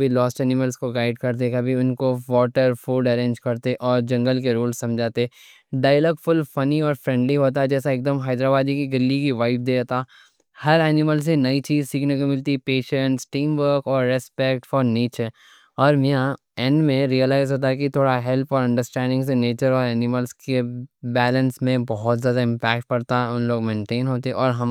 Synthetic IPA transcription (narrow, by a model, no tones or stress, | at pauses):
bʱilɔːsʈɛːnɪməlskoɡaːɪɖkɐɾt̪̬ekɐbʱiʊnkoʋɔːʈəɾfuːɖɐɾẽːɲd͡ʒkɐɾt̪eʔɔːɾd͡ʒɐ̃ŋɡəlkeɾuːlsːɐ̃md͡ʒʱaːt̪e | ɖaːɪjəlɔːkfʊlfɐniɔːɾfɾɛ̃ɳɖliɦoːt̪̬aɛd͡ʒɛːsaeːk̚d̪əmɦaːd̪ɾaːbaːd̪ikiɡɪlːikiʋaɪp̚d̪eːt̪aː | hɐɾɛːnɪməls̬enɐit͡ʃiːzsiːkʰnekomɪlt̪ipeːʃə̃ɳʈsʈĩːmʋəɾkɔːɾːɛspɛkʈfɔːɾniːt͡ʃɛ | ɔːɾmijã | ɛ̃nɖmẽɾijəlaːɪzɦoːt̪̬aɦɛkit̪ʰoːɽaɦɛlpʰɔːɾɐ̃ɳɖəɾsʈɛ̃ːɳɖɪ̃ŋɡs̬eneːt͡ʃəɾɔːɾɛːnɪməlskebɛːlə̃nsmẽbɔɦɔt̪zjaːd̪aɪ̃mpɛːk̚ʈ̚pɐɾt̪aɦɛʊnloːɡmẽːɳʈeːnɦoːt̪eɛʔɔːɾɦɐm